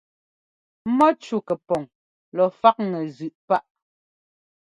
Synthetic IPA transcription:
mɔ˦t͡ʃu˨kɛ˨pɔ˨ŋ | lɔ˨fa˦k̚ŋɛ˨zʉ˨ʔpa˦ʔ

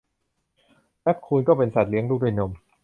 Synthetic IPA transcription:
pɛ˦˥p̚kʰuː˧nkɔː˥˩pe˧nsa˨˩t̪̚li˦əŋluː˥˩k̚dwi˥˩no˧m

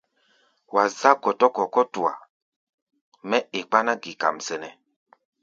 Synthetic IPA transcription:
wa˨za˦kɔ˨tɔ˦kɔ˨kɔ˦tu˨a̰˨ | mɛ˦e˨k͡pa˦na˦ɡi˨ka̰˨msɛ˨nɛ˨

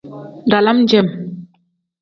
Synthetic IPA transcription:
da˨la˦m˦d͡ʒɛ˦˨m

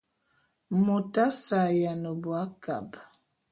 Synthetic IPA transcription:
mo˨ta˦sa˨ja˨no˨bwa˦ka̰˨b

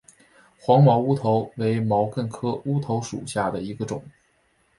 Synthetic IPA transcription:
xwɑ˧˥ŋmɑ˧˥ʊu˥t̪ʰo˧˥ʊwe˧˥ɪmɑ˧˥ʊkə˥˩nkʰɤ˥u˥t̪ʰo˧˥ʊʂṵ˨˩ɕja˥˩d̪ə˩i˧˥ɡə˧ʈ͡ʂʊ˨˩˦ŋ

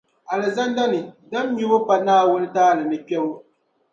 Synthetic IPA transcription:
a˨lɪ˨za˦nda˦nɨ˨da˦m˦ɲu˦bʊ˦pa˦naː˦wʊ˦nɨ˦taː˦˨lɨ˨nɨ˨pɛ˦bʊ˦

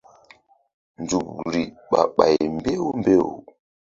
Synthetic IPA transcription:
nd͡zu˨kɾi˨ | ɓa˨ɓa˨jm˨be˦wu˦mbe˦wṵ˨

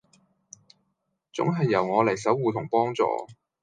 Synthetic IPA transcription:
t͡sʊ̰˨˥ŋɦɐ˨jːɐ˨˩wŋɔː˨˧lɐ˨˩js̬ɐ˨˥wːuː˨˧t̪ʰʊ˨˩ŋpɔː˥ŋt͡sɔ̰ː˨˧

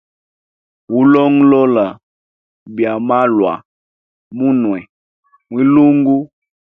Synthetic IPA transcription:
u˦lɔ˦ŋlɔ˦la˨ | bja˨ma˦lwa̰˨ | mu˦nwɛ˨ | mwi˦lu˦ŋɡu˦

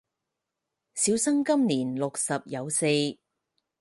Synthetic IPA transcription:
siː˨˥wsɐ˥ŋkɐ˥mniː˨˩nlʊ˨k̚sɐ˨p̚jɐ˨˧wse˧j

